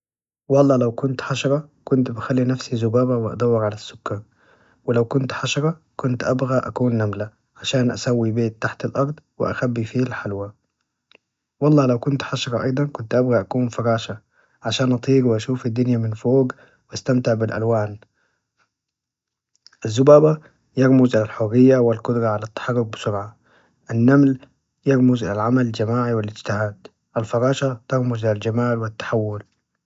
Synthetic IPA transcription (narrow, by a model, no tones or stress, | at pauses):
wɑlˤːɑːlawkʊnt̪ħɑʃɑɾˤɑkʊnt̪bɪxalːinafsizʊbaːbawɪʔɑ̰d̪ˤawːɪɾʕalasːʊ̥kːaː | wɪlawkʊnt̪ħaʃɑɾˤɑ | kʊnt̪ʔabɣaʔa̰kuːnːamla | ʕaʃaːnʔa̰sawːibeːt̪ːaħt̪alʔɑɾˤd̪ˤwɪ̰ʔa̰xabːifiːlħalwa | wɑlˤːɑːlawkʊnt̪ħaʃɑɾˤɑʔɑjd̪ˤɑnkʊnt̪ʔabɣaʔakuːnfɑɾˤɑːʃa | ʕaʃaːnʔɑt̪ˤiːɡwʔaʃuːfad̪ːʊnjamɪnfoːɡ | wast̪amt̪ɪʕbɪlʔa̰lwaːn | ʔazːʊbaːba | jɑɾmʊzʔɪlalħʊrːɪjːawɪlkʊd̪ɾˤɑʕalat̪ːḁħɑrˤːʊk̚bɪsʊɾʕa | ʔanːaml | jɑɾmʊzʔɪlalʕamald͡ʒamaːʕiwɪlɪd͡ʒt̪ɪhaːd̪ | ʔalfɑɾˤɑːʃat̪ɑɾmʊzʔɪlald͡ʒamaːlwɪt̪ːḁħawːʊl